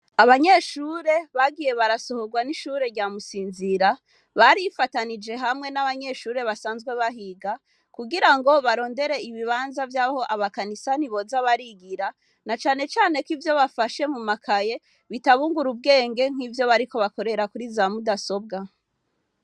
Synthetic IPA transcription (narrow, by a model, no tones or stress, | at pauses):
aβaɲe̞ʃuːɾe̞βaɡije̞βaɾaso̞ho̞ɡwaniʃuːɾe̞ɾɟaːmusiːnziɾa | βaɾifatanid͡ʒe̞ɦamŋe̞naβaɲe̞ʃuːɾe̞βasaːnzɡwe̞βaɦiɡa | kuɡiɾaŋɡo̞βaɾo̞ːnde̞ɾe̞iβiβaːnzavjaːho̞ʔaβakanisaniβo̞zaβaɾiɡiɾa | nat͡ʃaːne̞t͡ʃaːne̞kivjo̞βafaʃe̞mumakʰaje̞ | βitaβuːŋɡuɾub̚ɡe̞ːŋɡe̞ŋ̥iːvjo̞βaɾiko̞βako̞ɾe̞ɾakuɾizamudaso̞b̚ɡa